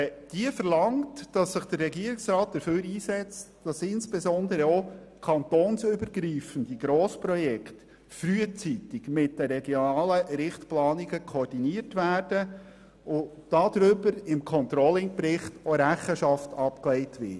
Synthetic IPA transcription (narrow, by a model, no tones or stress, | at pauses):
d̥iəfəɾlɑŋtd̥ɑsːɪχd̥əɾrɛɡiəɾɪksrɑːt̚d̥əføːɾiːsɛt͡std̥ɑsɪnsb̥ɛzɔnd̪əɾəo | kʰɑntoːnsʏbəɾɡɾiːfən̩diɡ̥ɾoːspɾɔjɛkt | fryət͡sitɪɡmɪt̚d̥əɾɛɡjonɑːləɾɪχtplɑːniɡəkʰoːrd̥iniəɾtʋæːɾd̥ə | ʊd̥ɑd̪̥ɾʏbəɾɪmkʰɔnt̪ɾɔlɪŋprɪχtoɾæχəʃɑftɑpklɛɪtʋɪ̰